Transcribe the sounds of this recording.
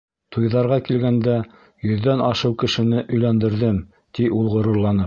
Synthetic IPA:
t̪ujðɑɾʁɑkilɡænd̪æ | jɵ̆ðːænɑʃɤwkɘ̆ʃɘ̆nɘʔɵ̆jlænd̪ɘ̆ɾðɘm | t̪iulˠʁŏɾɤ̆ɾlˠɑnɤp̚

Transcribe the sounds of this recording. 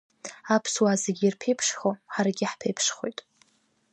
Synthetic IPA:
apʰswazeɡʲirpʰejpʰʂχoħaɾaɡʲɪħpʰejpʰʂχojtʼ

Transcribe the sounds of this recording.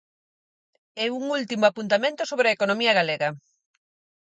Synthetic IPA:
ɛuŋult̪imoapunt̪amẽnt̪osoβɾɐekonomiɐɣaleɣɐ

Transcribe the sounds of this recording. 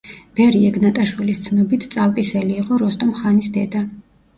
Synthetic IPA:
b̥ɛɾiɛɡnat̪ʼaʃwilist̪sʰnɔbit̪ʰt̪sʼalkʼisɛliːqʼɔɾɔst̪ʼɔmχanisd̪ɛd̪a

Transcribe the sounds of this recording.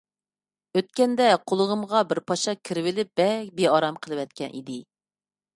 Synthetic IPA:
øt̪̚kʲɛnd̪ɛqʰolˠəʁəmʁɑbɪɾpʰɑʃɑkʲʰiɾɪwɪlɪp̚b̥ɛk̚ʲbeɑɾɑmqʰəlˠɨwɛt̪̚kʲʰɛnʔḭd̪ɪ

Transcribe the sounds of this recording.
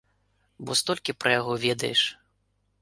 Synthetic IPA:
bɔst̪ɔlʲkʲipɾʔɐjaɣɔvʲɛd̪ɐjɛʂ

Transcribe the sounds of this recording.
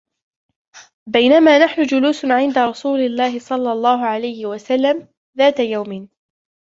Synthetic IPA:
bajnamaːnaħnʊd͡ʒʊluːsʕɪnd̪aɾˤɑsuːlɪlːaːhɪsˤɑlːɑlˤːɑːɦʊʕalajhɪwasalːam | ðaːt̪ajawmɪn

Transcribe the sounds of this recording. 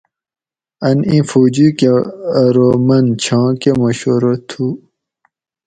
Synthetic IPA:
ɐnĩfud͡ʑukeɾomɐnt͡ɕʰɑ̃ːkemoɕoɾot̪ʰu

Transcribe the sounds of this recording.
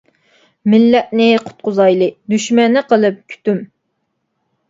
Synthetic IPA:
mɪlːɛt̪̚nɪqʰʊ̥t̪̚qʊzɑjlˠɨd̪yʃmɛnːɨqʰəlˠɨp̚kʲʰy̥t̪ym

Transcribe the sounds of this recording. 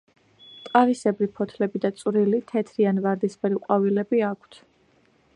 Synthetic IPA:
t̪ʼqʼaɾisɛbɾipʰɔt̪ʰlɛbid̪at̪sʼvɾilit̪ʰɛt̪ʰɾianvaɾd̪ispɛɾiqʼwavilɛbiakʰt̪ʰ

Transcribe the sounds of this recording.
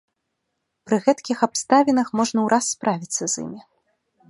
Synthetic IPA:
pɾɨɣɛt̪kʲixapst̪avʲinɐxmɔʐnɐwɾʔasːpɾavʲit̪sːɐzḭmʲi

